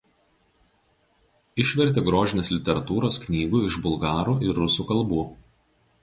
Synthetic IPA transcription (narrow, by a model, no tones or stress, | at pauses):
ɪʃʲʋʲɛɾʲt̪ʲeːɡɾoːʒʲɪnʲeːslʲɪt̪ʲɛɾɐt̪uːɾoːsknʲiːʋʲuːɪʒbʊlˠɡɑːɾuːɪɾːʊsuːkɐlˠbuː